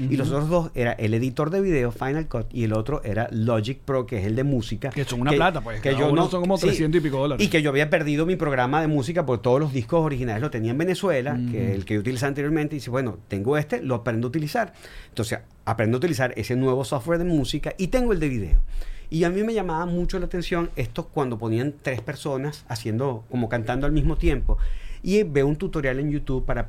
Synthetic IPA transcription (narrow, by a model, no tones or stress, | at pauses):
ilos̬ot̪ɾozðo̞se̞ɾaʔe̞le̞ðit̪o̞ɾðe̞βiðe̞ofajnalkot̪ie̞lo̞t̪ɾoʔe̞ɾaloʝik̚pɾokeeseld̪emusikakesoŋunalat̪apweekʝonosoŋkomotsesjent̪osipikoðolaɾikeʝo̞aβiap̬e̞ɾðið̞o̞mipɾo̞ɣɾamaðe̞mus̬ikapo̞ɾket̪o̞ð̞o̞lo̞zðihko̞so̞ɾihinaleslo̞t̪e̞niaembe̞ne̞swe̞lakeelkeout̪ilisaβant̪eɾjomẽnt̪eiðisebweno̞t̪e̞ŋɡo̞e̞st̪e̞lo̞apɾend̪out̪ilisaɾ | ent̪o̞nse̞s | apɾend̪out̪ilisaɾe̞se̞nwe̞βo̞soft̪weɾðe̞musikaʔit̪e̞ŋɡoe̞ld̪eβiðe̞̰oiamime̞ʝamaβamut͡ʃo̞laːt̪e̞nsjo̞ŋe̞st̪o̞kwand̪o̞po̞niant̪ɾe̞spe̞ɾso̞nasasje̞nd̪o̞ko̞mo̞kant̪and̪oalmizmo̞t̪je̞mpo̞ibe̞unt̪ut̪o̞ɾjale̞njut̪uβpaɾa